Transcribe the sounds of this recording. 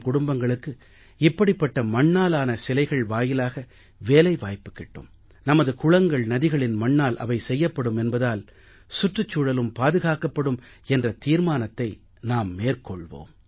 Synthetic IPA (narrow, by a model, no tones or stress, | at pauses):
kʊɽʊmbɐŋɡɐɭɯkːɯ | ɪpːɐɽɪpːɐʈːɐmɐɳːaːlaːnɐsɪlɐɪɣɐɭʋaːjɪlaːɣɐ | ʋeːlɐɪʋaːjpːɯ̥kːɪʈːɯ̰m | nɐmɐðɯkʊɻɐŋɡɐɭnɐðɪɣɐɭɪnmɐɳːaːlʔɐ̰ʋɐɪsɛjːɐpːɐɽɯmɛnbɐðaːl | sʊʈrɐt͡ʃːuːɽɐlɯmpaːðɯɣaːkɐpːɐɽɯmɛndrɐt̪iːɾmaːnɐt̪ːɐɪ | naːmːeːrkɔɭʋo̰ːm